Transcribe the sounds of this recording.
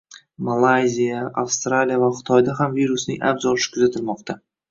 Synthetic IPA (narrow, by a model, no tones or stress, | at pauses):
malˠajzijaʔafst̪ɾalijavaχɪ̥t̪ʰɒjd̪aɦamviɾʊsnɪ̰ŋʲʔa̰bzɒlɪʃɪ̥kʰʊzat̪ʰɪlmɒqt̪ʰa